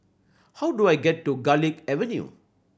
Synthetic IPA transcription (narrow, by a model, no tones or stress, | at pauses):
haʊɖuajɡɛʈːuɡalikɛʋɛnjṵ